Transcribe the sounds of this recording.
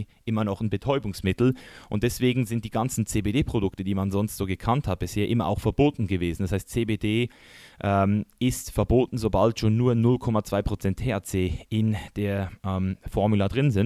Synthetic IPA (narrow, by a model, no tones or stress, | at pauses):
ʔɪmɐnɔχnbətʰɔʏbʊŋsmɪtl̩ʔʊnt̚d̥ɛsv̥eːɡŋ̩zɪnt̚d̥iːɡant͡sn̩t͡seːbeːdeːpʁ̥odʊktəd̥iːmanzɔnstz̥oːɡəkʰanthat̚b̥ɪsheːɐʔɪmɐʔa̰ʊxfɛɐboːtn̩ɡəveːzn̩dashaɪstt͡seːbeːdeː | ʔɛmɪstfɛɐboːtn̩zobaltʃoːnːuːɐnʊlkʰɔmat͡sv̥aɪpʁ̥ot͡sɛntʰeat͡seːɪnd̥eːɐʔɛːmfɔɐmuladʁɪnzɪn